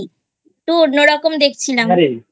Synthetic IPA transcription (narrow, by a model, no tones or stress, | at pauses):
t̪unoɾɔkomd̪ek̚ʰt͡ɕʰilamaɾe